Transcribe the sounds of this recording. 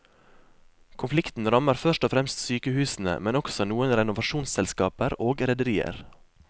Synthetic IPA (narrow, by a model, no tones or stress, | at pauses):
kʰʊnflɪkt̪n̩ɾɑməɾfœʃʈɔfɾɛmst̪syːkəhʉːsn̩ə̰mɛnɔksɔnuːənɾɛnʊʋɑʃuːnsɛlskɑːpəɾoːɡɾɛd̪əɾiːə̰ɾ